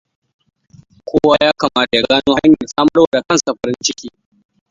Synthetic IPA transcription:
kʷʰoː˦waː˦jaː˦kaː˨maː˦ta˨ja˨ɡaː˦noː˦ha˦ɲjɐ˨sʼaː˦mɐ˦rwa˦˨da˨kɐ˦˨nsa˨ɸɐ˨ɾɪ˦nt͡ʃɪ˦kʲiː˦

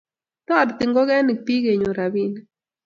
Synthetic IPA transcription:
t̪ɔ˦˨ɾt̪ɪ˨ŋɡɔ˦ɡɛ˦ni˨k̚pi˦ɡe˨ɲo˨ɾa˨bi˦n

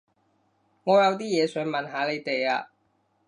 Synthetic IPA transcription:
ŋɔː˨˧jɐ˨˧wt̪̬iː˥jɛː˨˧sœː˨˥ŋmɐ˨nɦaː˨˥le˨˧jt̪e˨jaː˧

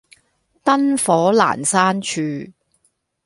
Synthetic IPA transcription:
t̪ɐ˥nfɔː˨˥la̰ː˨˩nsaː˥nt͡ʃʰyː˧

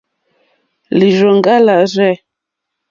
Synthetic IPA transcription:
li˨ʒɔ˨ŋ˦ɡa˦la˨zɛ˦˨

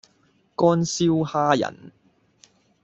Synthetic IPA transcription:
kɔː˥nsiː˥whaː˥jɐ̰˨˩n

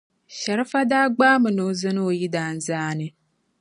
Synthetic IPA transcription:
ʃɛ˨ɾɨ˦fa˦daː˦ɡ͡baː˦mɨ˨no˦zɨ˦nɨ˦o˨ji˦daː˦n̩˦zaː˦nɨ˨

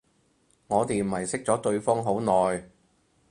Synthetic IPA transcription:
ŋɔː˨˧t̪e˨jm̩˨˩ɐ˨˩jsɪ˥k̚t͡sɔː˨˥t̪ɵ˧ɥfɔː˥ŋɦo˨˥wnɔː˨j

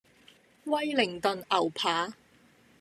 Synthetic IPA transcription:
wɐ˥jlɪ˨˩ŋt̪ɵ˨nɐ˨˩wpʰaː˨˥

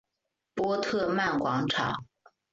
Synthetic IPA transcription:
pwɔ˥t̪ʰɤ˥˧ma˥˩nkwɑ˧˥ŋʈ͡ʂʰɑ̰˨˩˦ŋ

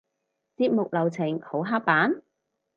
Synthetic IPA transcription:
t͡siː˧t̚mʊ˨k̚lɐ˨˩wt͡sʰɪ˨˩ŋho˨˥wɦaː˥k̚paː˨˥n

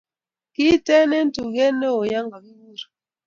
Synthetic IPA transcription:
ki˦tɛ˦nɛ˦n̩˦tu˨ɣɛ˦nɛ˦o˨ja˦ŋɡa˨bi˦wu˦˨ɾ

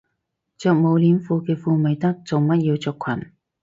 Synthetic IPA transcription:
t͡sœː˨˧k̚mo˨˧wliː˨˥mfuː˧kɛː˧fuː˧me˨˧jt̪ɐ˥k̚t͡so˨wmɐ˥t̚jiː˧wt͡sœː˧kʷʰɐ̰˨˩n

